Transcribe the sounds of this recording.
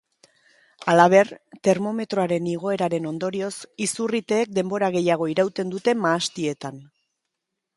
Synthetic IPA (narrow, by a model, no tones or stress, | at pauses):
alaβ̞e̞rt̪e̞ɾmo̞me̞t̪ɾo̞aɾe̞niɣ̞o̞e̞ɾaɾe̞no̞nd̪o̞ɾio̞sisurit̪e̞ːk̚d̪e̞mbo̞ɾaɣe̞jaɣ̞o̞iɾawt̪e̞nd̪ut̪e̞maːst̪ie̞t̪an